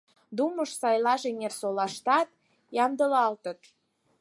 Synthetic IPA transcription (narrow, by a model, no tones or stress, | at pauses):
d̪uməʃsɑjlɑʒenersolɑʃt̪ɑt̪̚ | jɑmd̪əlɑlt̪ət̪